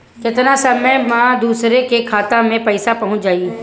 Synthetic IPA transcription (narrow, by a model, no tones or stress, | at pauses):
kɪt̪nasɐməjmãːd̪uːsɾekekʰaːt̪amẽpɐɪsapɐɦʊ̃t͡ʃd͡ʒaːi